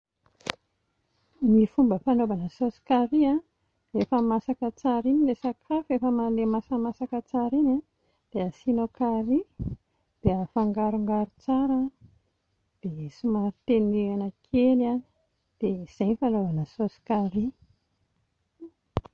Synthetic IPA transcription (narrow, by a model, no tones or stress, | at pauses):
nifumbəfanovanəsosi̥kaɾia | efəmasakət͡saɾinilesakʰafefəmalemasamasakət͡saɾina | d̪̥eəsinokaɾi | d̪̥eəfaŋɡaɾuŋɡaɾut͡saɾa | d̪̥esumaɾit̪enianakʰelani̥ | d̪̥ez̥ejnifanovanəsosi̥kaɾi